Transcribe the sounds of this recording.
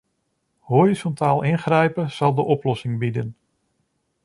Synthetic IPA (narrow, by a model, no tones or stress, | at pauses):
horizɔntaːlˠɪnχrɛjpəz̥ɑlˠdəʔɔplɔsɪŋbidən